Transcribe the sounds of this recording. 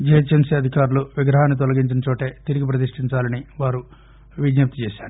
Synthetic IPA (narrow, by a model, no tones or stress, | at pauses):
d͡ʒɛjɐt͡ʃemsiɐd̪ʱikaːɾuluʋiɡɾɐɦaːnːit̪̬ɔlɐɡiɲt͡ʃinɐt͡ʃoːʈe̞ːt̪iɾiɡip̬ɾɐt̪̬iʂʈiɲt͡ʃaːlɐniʋaːɾu | ʋid͡ʒjɐp̚t̪i̥t͡ʃeːʃaːɾu